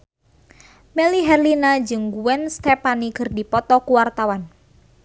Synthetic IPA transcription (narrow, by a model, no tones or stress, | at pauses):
meliɦɛrlinad͡ʒɨŋɡuwɛnst̪ɛpanikərdipɔt̪ɔkuwart̪awan